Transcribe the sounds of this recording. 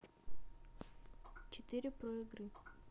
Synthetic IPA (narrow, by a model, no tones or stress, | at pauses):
t͡ʃɛt̪iɾipɾɔiɡɾi